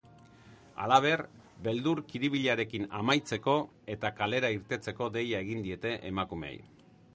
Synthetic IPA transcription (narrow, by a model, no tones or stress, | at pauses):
a̰laβ̞e̞r | be̞ld̪uɾkiɾiβiʎaɾe̞kinamajt͡se̞ko̞ | e̞t̪akale̞ɾaiɾt̪e̞t͡se̞ko̞d̪e̞jae̞ɣind̪ie̞t̪e̞ʔemakume̞̰ḛj